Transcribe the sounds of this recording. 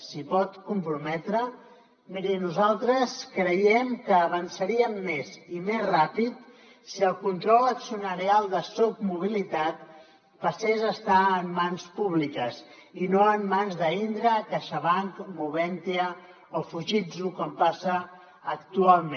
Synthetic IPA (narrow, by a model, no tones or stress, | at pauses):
sipɔt̪kumpɾumɛt̪ɾə | miɾinuzalˠt̪ɾəskɾəjɛmkəːβənsəɾiəmːezimezrapit̪ | siəlˠkunt̪ɾɔləksunəɾialˠd̪əsub̚muβ̞ilit̪at̪ | pəsezəst̪aəmːanspuβ̞likəz | inoəmːanzðəind̪ɾəkaʃaβaŋkmuβɛnt̪iə | ofuʒid͡zukɔmpasəː | kt̪ualˠme